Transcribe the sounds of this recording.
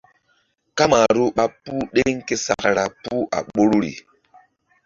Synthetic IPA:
ka˦ma˨ɾu˦ɓa˦pu˦ɗe˦ŋ̩˦ke˦sa̰˨kɾa˨pu˦a̰˨ɓo˦ɾu˦ɾḭ˨

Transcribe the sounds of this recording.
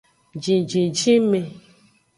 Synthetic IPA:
d͡ʒĩ˨d͡ʒĩ˨d͡ʒĩ˦me˨

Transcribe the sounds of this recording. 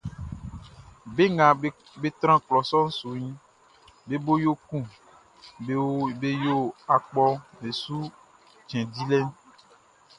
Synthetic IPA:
be˦ŋã˨ | be˦t̪ɾ̃ã˦klɔ˨sɔ˦ŋ̩˦su˨ɲĩ˦ | be˦bo˦jo˦kũ˦˨˦ | be˦jo˦a˨k͡pɔ˦be˨su˦ | t͡ʃɛ̃˨di˦lɛ˦n

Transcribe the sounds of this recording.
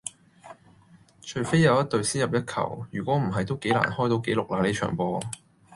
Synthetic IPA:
t͡ʃʰɵ˨˩ɥfe˥jːɐ˨˧wjɐ˥t̚t̪ɵ˧ɥsiː˥jɐ˨˩p̚jɐ˥t̚kʰɐ̰˨˩wjyː˨˩kʷɔː˨˥m̩˨˩ɦɐ˨jt̪o˥wke˨˥jla̰ː˨˩nhɔː˥jt̪o˨˧wke˨˥jlʊ˨k̚laː˧˩le˨˧jt͡ʃʰœ̰ː˨˩ŋpɔː˧

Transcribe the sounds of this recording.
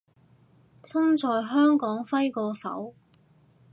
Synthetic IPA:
t͡sʰɐ˥nt͡sɔː˨jɦœː˥ŋkɔː˨˥ŋfɐ˥jkɔː˧sɐ̰˨˥w

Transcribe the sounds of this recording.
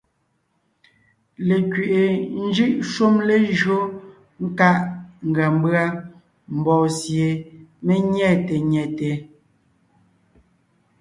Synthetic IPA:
le˨kɥe˨ʔe˨n̩˦d͡ʒɯ˦ʔʃu˦mle˦ʒɰo˦ | ŋ̩˦ka˦ʔŋ̩˨ɡa˨m˦bɰa˦ | m̩˨bɔː˨sje˨me˦ɲɛ˦˨te˨ɲɛ˨te˨

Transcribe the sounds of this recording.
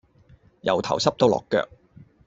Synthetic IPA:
jɐ̰˨˩wt̪ʰɐ̰˨˩wsɐ˥p̚t̪o˧˥wlɔ̰ː˨kːœ̰ː˧k̚

